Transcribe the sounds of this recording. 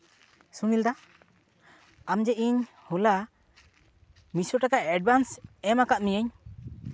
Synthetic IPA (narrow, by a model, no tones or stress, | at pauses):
suŋild̪a | amd͡ʒɛʔiɲ | hɔla | misɔʈakaɛɖ̚bansɛmakaʔmijəɲ